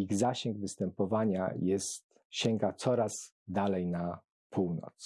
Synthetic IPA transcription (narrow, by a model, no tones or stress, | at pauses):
iɣzaɕɛŋɡvɘst̪ɛmpɔvaɲa̰jɛst̪ | ɕɛŋɡat̪sɔɾaz | d̪alɛjna | pʰuwnɔ̰t̪s